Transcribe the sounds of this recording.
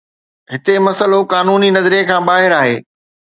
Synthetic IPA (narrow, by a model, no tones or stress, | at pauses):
ɦɪt̪emɐsəlokaːnuːninɐzɾekʰãːbaːɦɪɾaːɦeː